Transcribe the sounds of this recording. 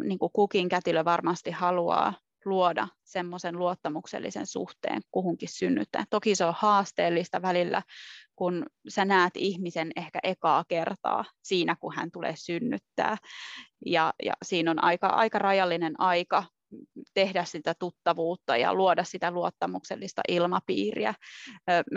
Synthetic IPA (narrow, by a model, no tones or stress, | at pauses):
niːŋkukukiŋkæt̪iløʋɑrmɑst̪ihhɑluɑ̰ː | luodɑ̰ | semːosenluot̪ːɑmuksḛlːḭsḛnsṵht̪ḛːŋkuhuŋkissynːy̰t̪ːæ̰ːtt̪okiseohɑːst̪eːlːist̪ɑʋælilːæ̰kunsænæːt̪ihmisenehkæ̰ʔekɑːkert̪ɑ̰ːsiːnækuhæ̰nt̪ulḛːsynːyt̪ːæ̰ː | jɑjɑ̰siːnonʔɑ̰ikɑ̰ʔɑ̰ikɑrɑjɑlːinenʔɑikɑ | t̪ehdæssit̪æt̪ut̪ːɑʋuːt̪ːɑjɑ̰luodɑssit̪æluot̪ːɑmukselːist̪ɑ̰ʔilmɑpḭːrḭæ̰